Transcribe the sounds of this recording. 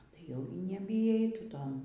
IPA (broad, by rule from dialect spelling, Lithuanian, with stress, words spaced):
tɐɪ ˈjɛʊ iː nʲɛbʲiːˈjɛɪ tʊ ˈtoːn